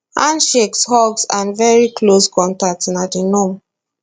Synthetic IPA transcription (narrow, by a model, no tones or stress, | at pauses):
ãnʃekshɔɡsãnvɛɹikloskɔ̃ntatsnadinɔ̃m